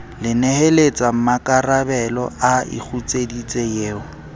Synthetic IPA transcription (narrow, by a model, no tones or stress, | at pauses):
lɪnɛhelet͡sʼam̩makʼarabɛlɔ̰aɪ̰k͡xʰut͡sʼedit͡sʼejeːʊ